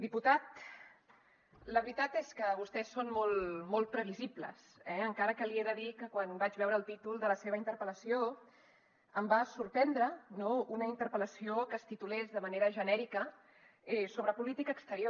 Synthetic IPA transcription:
d̪iput̪at̪ | ləβɾit̪at̪eskəβust̪ɛsːonmolˠmolˠt̪̚pɾəβ̞iziplə̰sɛəŋkaɾəkəlieðəðikəkwanbad͡ʒβɛwɾəːlˠt̪it̪ulˠd̪ələseβ̞əint̪əɾpələsio | əmbasuɾpɛnd̪ɾənounəint̪əɾpələsiokəst̪it̪ulɛzðəməneɾəʒənɛɾikə | ɛsoβ̞ɾəpulit̪ikəːkst̪əɾio

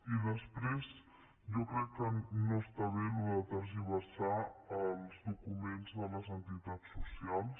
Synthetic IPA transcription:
iðəspɾez | ʒɔkɾɛkːənoəst̪aβenuðət̪əɾziβəsaəlˠzðukumenzðələzənt̪it̪at͡sːusialˠs

